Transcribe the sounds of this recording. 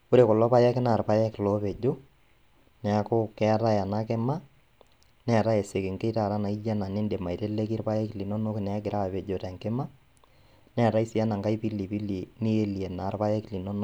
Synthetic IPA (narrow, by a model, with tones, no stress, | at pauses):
ku˦ɾe˨kɔ˨lɔ˦pa˦jɛ˦kɪ˦na˨ɾpa˦jɛ˦klɔ˨˦pe˨d͡ʒo˦ | nɛ˨a˦kʊ˦kɛ˦a˦ta˦ja˨na˦kɪ˦ma˦ | nɛ˦a˨ɾa˦jɛ˨se˨kɪ˨ŋke˦ta˨ɾa˦na˨i˦ja˦na˨nɪ˦nde˨ma˨i˨te˦le˦ki˦ɾpa˦jɛ˦kli˨no˦no˦kɪ˨n˨a˦k̬ɪ˨ɾʔa˦˨pe˨d͡ʒo˨tɛ˨ŋkɪ˦ma˦ | nɛ˦a˨ɾa˦i˦si˦a˦na˨ŋka˦i˦pi˦li˨pi˦li˨ni˦e˦li˨e˨na˨ɾpa˦jɛ˦kli˨no˦no˦